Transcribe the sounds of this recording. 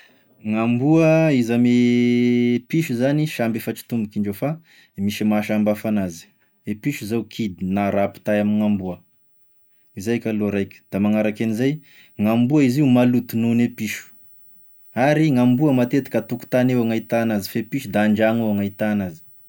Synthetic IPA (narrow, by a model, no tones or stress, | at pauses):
ŋambuəizame | piʃuzaniʃambefat͡ʃi̥t̪umbukiɳɖ͡ʐefa | miʃimaʃambafanazi̥ | epiʃuzawkʰid̪inaɾapi̥t̪ajaminiŋambuə | izajkʲaloɾajkʲə̥d̪̥amaŋaɾakenizaj | ŋambuaiziumalut̪ununepiʃu̥ | aɾiŋambuəmat̪et̪i̥kat̪uku̥t̪anewaŋait̪anazifepiʃud̪aɳd͡ʒaŋewaŋait̪anazi̥